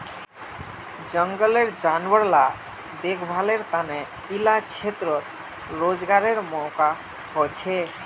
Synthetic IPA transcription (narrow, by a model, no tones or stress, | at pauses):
d͡ʒəŋɡəleɾd͡ʒanwəɾla | d̪ekʰbʱaleɾt̪anɛ | ilat͡ʃʰet̪ɾɔɾ | ɾod͡ʒɡaɾeɾmɔka | ɦɔt͡ʃʰe